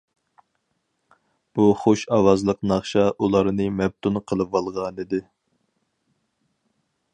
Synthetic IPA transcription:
b̥uχoʃɑwɑzlˠəqnɑχʃɑʔulˠɑɾnɨmɛb̚t̪ʰunqʰəlˠɨvɑlˠʁɑnɨd̪ɪ

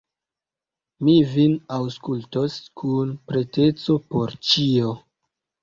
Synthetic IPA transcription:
mivinawskultoskʰunpɾe̞te̞t͡so̞poɾt͡ʃio

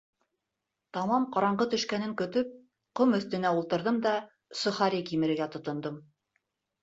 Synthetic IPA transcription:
t̪ɑmɑmqɑɾɑɴɢɤt̪ɵ̆ʃkænɘŋkɵ̆t̪ɵp̚ | qomɵ̆θt̪ɘ̆næulˠt̪ɤ̆ɾðɤmd̪ɑ | sŏχɑɾikimɘ̆ɾɘ̆ɡæt̪ŏt̪ŏnd̪ɤm

